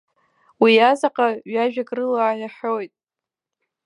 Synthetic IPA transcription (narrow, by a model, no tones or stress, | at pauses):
wiazaqʼaɥaʒᶣakʼrɨlaːjaħʲojtʼ